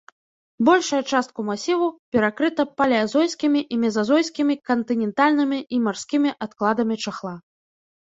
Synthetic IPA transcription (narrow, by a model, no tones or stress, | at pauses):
bɔlʲʂɐjɐt͡ʂast̪̚kumasʲivupʲɛɾakɾɨt̪ɐpalʲɛazɔjsʲkʲimʲiʔimʲɛzazɔjsʲkʲimʲikɐnt̪ɨnʲɛnt̪alʲnɨmʲiʔimarsʲkʲimʲiʔat̪klˠad̪ɐmʲit͡ʂaxlˠa